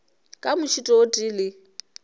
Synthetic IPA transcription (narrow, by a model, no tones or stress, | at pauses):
kʼamʊt͡ʃʰitʼɔːtʼilɪ